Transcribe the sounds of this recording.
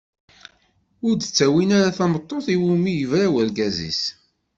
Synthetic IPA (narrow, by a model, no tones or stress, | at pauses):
ʊɾd̪ət͡sːæwinaɾaθæmət̪ˤːoθiwumijəvɾawəɾɡæzḭs